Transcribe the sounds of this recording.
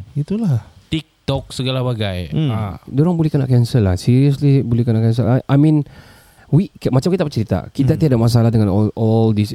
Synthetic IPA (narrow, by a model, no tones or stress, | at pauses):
it̪ulaht̪ik̚t̪ɔk̚səɡalabaɡajadɔɾaŋbolɛhkənaʔkɛnsəlːahsiɾiəslibolɛhkənaʔkɛns̬ə̰laʔajmin | wikmat͡ʃamkit̪apət͡ʃəɾit̪a̰kit̪at̪iadamas̬alahdəŋanɔlɔldis